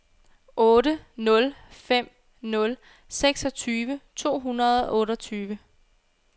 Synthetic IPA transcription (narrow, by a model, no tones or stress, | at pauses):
ʔɔ̽ːɾənɔ̽lfem̰ | nɔ̽l | seɡ̥sɒ̽t͡sʰyːʋət͡sʰo̝̰ːɦunɐðˠɒʔɔ̽ːɾɒt͡sʰyːʋə